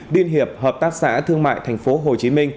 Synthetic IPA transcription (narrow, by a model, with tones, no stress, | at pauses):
li˧ənɦi˨˩əp̚həː˨˩p̚t̪aː˦˥k̚sa̰ː˧˥t̪ʰɨ˧əŋma̰ː˧˨jt̪ʰɛ˨˩jŋ̟fo˨˦ɦo˨˩t͡ɕi˨˦mï˧ŋ̟